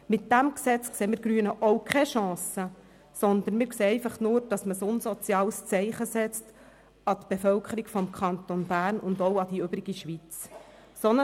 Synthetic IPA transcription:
mɪt̪̚d̥æmksɛt͡skseːmɪɾɡɾyːənəʔowkʰχɛʃɑ̃ːsə | sɔnd̪ənmɪɾkseːɛɪjfɑχnʊːɾd̥ɑsməsʊnsɔt͡sjɑːlst͡sɛɪχəsɛt͡st | ɑt̪b̥efœlkʰəɾikfɔmkχɑnt̪onb̥æːɾnʊnd̪ɔwɑd̥̪iøbɾɪɡiʃʋit͡s | sɔnə

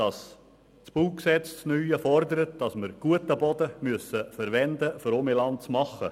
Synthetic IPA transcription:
d̥ɑs | t͡sb̥uːksɛt͡st͡snyːəfɔrdəɾət̪̚d̥ɑsməɾɡ̥uətəbɔdəmyəsəfɛɾvɛnd̪əfʏɾomilɑnt͡smɑχə

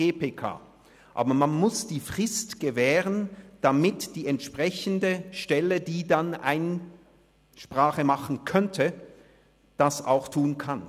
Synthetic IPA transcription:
eːpeːkʰa̰ː | ʔa̰ːbɐmanmʊsd̥iːfʁ̥ɪstɡ̥əvɛːʁənd̥amɪtd̥iːɛntʃpʁ̥ɛçəndəʃtɛlədiːdana̰ɪn | ʃpʁ̥aːχəmaχn̩kʰœntʰə | d̥asa̰ʊxtʰuːnkʰan

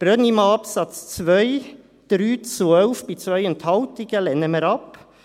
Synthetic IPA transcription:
b̥ɾønimɑɑpsɑt͡st͡sʋœʏ | d̪̥ɾyːtt͡suœʊfb̥it͡svœʏənt̪hɑʊt̪ɪɡ̥əlɛnəməɾɑp

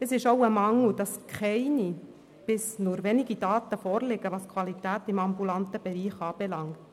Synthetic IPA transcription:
ɛsɪʃoʊəmɑŋl̩d̥ɑskʰχɛɪni | b̥ɪsnʊɾʋɛnɪɡid̥ɑːt̪əfɔːɾlɪɡəʋɑskʰʋɑlit̪æːt̪ɪmɑmbulɑnt̪əb̥ɛɾiːχɑːb̥ɛlɑŋt

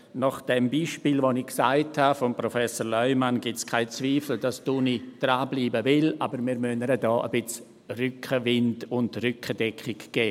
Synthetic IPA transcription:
nɔχd̥ɛmbiːʃpiːlvonɪksaɪthaːfɔmprofɛsəɾlœʏmanɡɪtskʰaɪt͡sviːfl̩d̥asd̥unid̥ɾaːbliːbəvɪlʔaːbəɾmiːɾmœnɾədɔːʔə̰bɪt͡s | rʏkʰəvɪndʊndrʏkʰədɛkʰɪkɡ̥eː

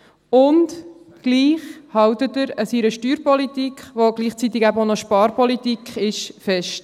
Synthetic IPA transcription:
ʊnd | ɡ̥liːχhɑwtətəɾəsiːɾəʃtyːɾpɔlitikχʋoɡ̥liːχt͡sit̪ɪɡæbəonoʃpɑːɾpɔlitikχɪʃfɛʃt

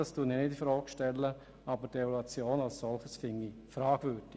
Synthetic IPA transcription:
ɑstuəninɪtifɾɔːkʃtɛlːə | ɑːbətɛvolat͡sjoːnalssɔlxəsfɪŋifɾɑːɡʋøɾd̥ɪ

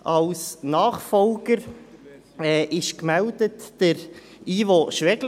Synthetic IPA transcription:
ʔɑlsnɑːχfɔlɡ̥əɾ | ɛːʔɪʃkmɛldətd̥əɾ | iːvoʃʋɛɡl

